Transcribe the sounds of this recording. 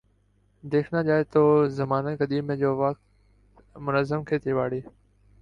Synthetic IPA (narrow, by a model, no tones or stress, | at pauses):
d̪eːkʰnãːʄaːeːt̪oːzəmaːnəɡəɗ̪iːmẽːd͡ʑoːʋəkt̪ | mʊnəzəmkʰeːt̪ʰeːʋaːɽeː